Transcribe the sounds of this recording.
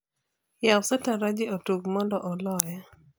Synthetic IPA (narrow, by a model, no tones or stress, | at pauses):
jawsataɾad͡ʒiotuɡmɔndɔʔɔlɔjɛ